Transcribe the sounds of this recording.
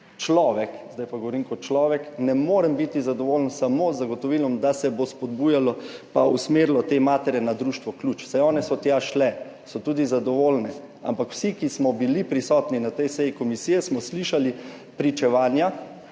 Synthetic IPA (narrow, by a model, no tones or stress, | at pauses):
t͡ʃlɔːʋɛkzd̪ajpaɡɔʋɔɾiːmkɔt̪̚t͡ʃlɔːʋɛknɛmoːɾɛmbit̪izad̪ɔʋoːlənsamozaɡɔt̪ɔʋilɔmd̪asɛbospɔd̪buːjalɔpausmeɾilɔt̪emaːt̪ɛɾɛnad̪ɾuːʃt̪ʋɔklut͡ʃsɛjɔːnɛsɔt̪jaʃlɛ | sɔt̪uːd̪izad̪ɔʋolnɛ | a̰mpakw̥sikismɔbilipɾisɔt̪ninat̪ɛjsɛjikɔmisiːjɛsmɔsliʃali | pɾit͡ʃɛʋaːnja